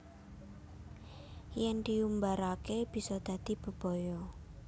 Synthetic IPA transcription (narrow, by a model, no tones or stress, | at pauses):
jɛnd̪iumbaɾakeb̥i̤sɔd̪̥ä̤d̪̥i̤b̥ə̤b̥ɔ̤jɔ